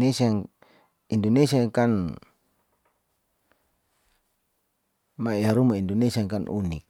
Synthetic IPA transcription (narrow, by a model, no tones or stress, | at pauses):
esia | indɔnesiakan | maɛɦaɾumaindɔnesiaŋkanṵnḭk̚